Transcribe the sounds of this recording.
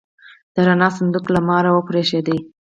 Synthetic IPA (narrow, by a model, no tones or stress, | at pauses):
d̪̥əɾanɑsand̪uklamɑɾawəpɾeʃed̪i